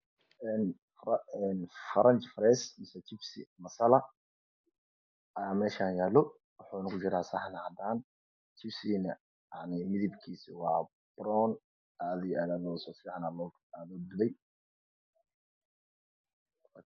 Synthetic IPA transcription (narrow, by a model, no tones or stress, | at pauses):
ɛn | ɛnfɐɾʔɐnt͡ʃfɾɛːsmɪsɛt̪ʰɪfsḭmɐsɐlɐ | ɐjaːmɛːʃaːnjaːlːɔ | wʊħʊːɪnɐkʰʊt͡ʃɪɾaːsɑħnɐhɐd̪aːn | t̪ʰɪbsiːnɐ̰ | jaʕnɪmɪðɪbkʰiːsiwɑː | b̥ɾɔn | aːðɪaːðaːɔːsɔfiːʕɑnaːɔ | aːðɔːb̪ɪðɛj